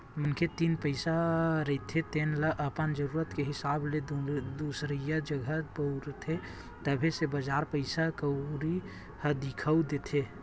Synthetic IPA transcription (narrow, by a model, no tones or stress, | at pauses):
mənkʰet̪inpəɪsaɾəit̪ʰet̪enləʔəpənd͡ʒəɾuːɾət̪keɦɪsabled̪usɾijad͡ʒəɡʱəbəuɾt̪ʰe | t̪əbʱesebəd͡ʒaɾpəɪsakəɾi | həd̪ikʰəud̪et̪ʰe